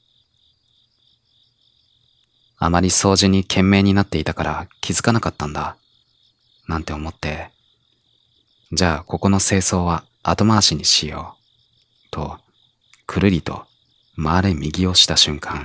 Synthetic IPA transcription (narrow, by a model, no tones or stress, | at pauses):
a̰maɾʲiso̞ːʑiɲ̟ikʰẽ̞mːe̞ːɲ̟inat̪ːe̞it̪akaɾa̰kʲʰizɨkanakat̪ːãnd̪a | nãnt̪e̞o̞mo̞t̪ːe̞ | d͡ʑaːko̞ko̞no̞se̞ːso̞ːβaː | t̪o̞maːɕiɲ̟iɕijo̞ː | t̪ʰo̞ | kʰɯ̟ɾɯ̟ɾʲit̪o̞̰ | maːɾe̞mʲiɡʲio̞ɕi̥t̪aɕɨ̃ŋkʰãŋ